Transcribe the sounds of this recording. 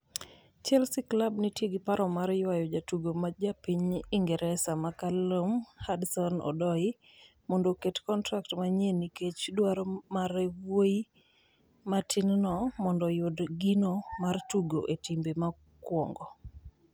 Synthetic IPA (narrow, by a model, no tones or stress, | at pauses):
t͡ʃɛlsiklabnitjeɡɪpaɾɔmaɾjwajɔd͡ʒatuɡomad͡ʒapiɲiŋɡɛɾɛsamakalomhadsɔnɔ̰dɔɪ | mɔndoketkɔntɾaktmaɲeniket͡ʃdwaɾɔmaɾɛwwoi | matʰɪnnɔmɔndɔjʊdɡinomartuɡoʔetimbema | kwɔ̰ŋɡɔ